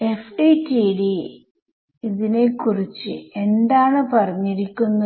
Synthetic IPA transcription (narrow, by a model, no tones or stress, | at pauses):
efɖitiɖi | iðine̞kurit͡ɕːɨe̞nd̪aːɳɨpɐrɐɲːiɾikʲːunːɐ